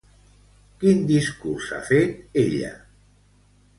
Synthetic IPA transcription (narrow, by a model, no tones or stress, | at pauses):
kind̪iskursa̰fet̪eʎə̰